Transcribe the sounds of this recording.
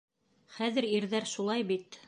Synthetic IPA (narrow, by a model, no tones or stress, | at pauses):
χæðɘ̆ɾiɾðæɾʃulˠɑjbit̪